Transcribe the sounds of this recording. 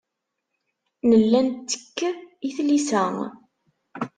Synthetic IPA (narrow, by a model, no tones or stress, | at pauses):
nəlːænt̪ːə̥kːiθlisæŋ